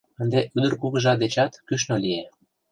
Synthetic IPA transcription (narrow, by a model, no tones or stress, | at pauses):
ənd̪eʔyd̪ə̆rkuɣəʒɑd̪et͡ɕɑt̪kyʃ̬nolie